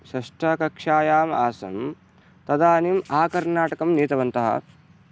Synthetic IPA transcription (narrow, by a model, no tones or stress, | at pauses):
sɐʂʈɐkɐkʂaːjaːma̰ːsɐ̰m | t̪ɐd̪aːnimaːkɐɾnaːʈɐkɐmniːt̪ɐʋɐnt̪ɐɦɐ̰